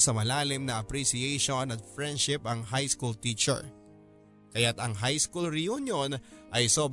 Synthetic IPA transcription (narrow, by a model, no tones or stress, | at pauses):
sɐmɐlaːlɪmnɐʔɐpɾisiejʃonɐt̪̚fɹɛnd̪ʃɪpɐŋɦajskult̪it͡ʃɛ̰ɹ | kɐjat̪ɐŋɦajskulɾɪjunjonʔɐjsob